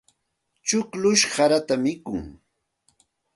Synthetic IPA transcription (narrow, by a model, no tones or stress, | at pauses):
t͡ʃʊklʊʃhaɾat̪amɪkʊŋ